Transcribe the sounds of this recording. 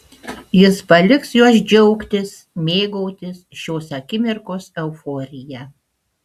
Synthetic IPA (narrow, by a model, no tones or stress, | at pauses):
jɪspɐlʲɪksjuɔs̬d͡ʒʲɛʊkt̪ʲɪs | mʲeːɡɔʊt̪ʲɪsʃʲoːsɐkʲɪmʲɪɾkoːsɛʊfoːɾʲɪjɛ